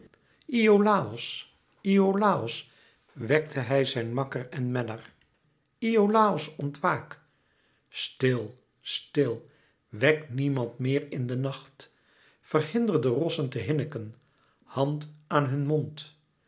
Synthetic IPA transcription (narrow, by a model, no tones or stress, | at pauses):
ʔiolaːɔs | iolaːɔs | ʋɛktʰəɦɛjzɛjnmɑkəɹɛnmɛnəɹ | iowlaːɔsɔntʋaːk | stɪlˠ | stɪlˠ | ʋɛknimɑntmɪːɹɪndənɑχt | fərhɪndərdərɔsəntəɦɪnəkən | hɑntaːnɦɵnmɔnt